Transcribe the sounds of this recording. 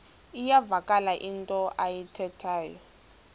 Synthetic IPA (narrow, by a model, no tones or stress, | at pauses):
ijavakʼalaʔintʼɔʔajitʰɛtʰaːjɔ